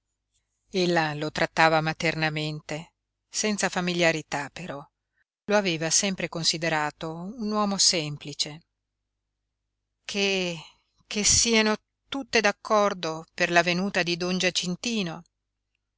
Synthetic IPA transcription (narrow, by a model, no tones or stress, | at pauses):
elːalot̪ɾat̪ːaːvamat̪ernament̪e | sɛnt̪safamiljaɾit̪apːeɾɔ | loaveːvasɛmpɾekonsid̪eɾaːt̪ounwɔːmosɛmplit͡ʃe | kʰe | kʰesiːano | t̪ut̪ːed̪akʰːɔrd̪operlavenuːt̪ad̪id̪ond͡ʒat͡ʃːint̪iːno